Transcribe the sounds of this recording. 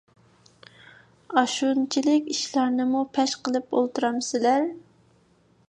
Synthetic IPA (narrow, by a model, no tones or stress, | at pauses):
ɑʃunt͡ʃʰilɪkʲiʃlɑɾnɨmupʰɛʃqəlˠɨpo̰lˠt̪uɾɑmsɪlæɾ